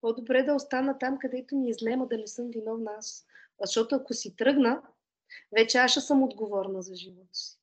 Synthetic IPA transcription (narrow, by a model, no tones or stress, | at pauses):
pɔd̪obɾɛd̪ɐost̪anət̪amkɐd̪ɛt̪ʊniizlɛməd̪ɐnɛsɤmvinɔfnas | zʃt̪ɔt̪ʊɐkʊsit̪ɾɤɡnə | vɛt͡ʃɛaʃɐsɤmod̪ɡovɔɾnəzɐʒivɔt̪si̥